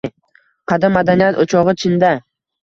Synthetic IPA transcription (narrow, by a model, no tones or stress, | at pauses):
qʰɑd̪amːad̪anijat̪ot͡ʃʰɒʁɨt͡ʃʰɪnd̪a